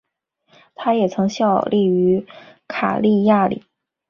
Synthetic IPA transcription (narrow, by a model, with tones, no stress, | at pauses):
t̪ʰa˥jɛ˨˩t͡sʰɤ˧˥ŋɕjɑ˥˧ʊli˥˩y˧˥kʰa̰˨˩li˥˧ja˥˩lḭ˨˩˦